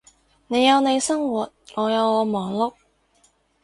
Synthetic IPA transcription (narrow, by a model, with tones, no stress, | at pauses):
ne˨˧jjɐ˨˧wne˨˧jsɐ˥ŋwuː˨˩t̚ŋɔː˨˧jɐ˨˧wŋɔː˨˧mɔː˨ŋlʊ˥k̚